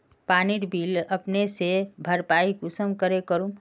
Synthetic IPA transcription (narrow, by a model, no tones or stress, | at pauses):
paːniɾbiːləpnesebʱəɾpaːiɡʊsəmkəɾekəɾũ